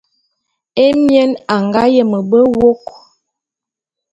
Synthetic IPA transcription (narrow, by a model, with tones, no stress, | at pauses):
e˦mjɛ˦na˨ŋɡa˦jə˨mə˨bə˦wo˦k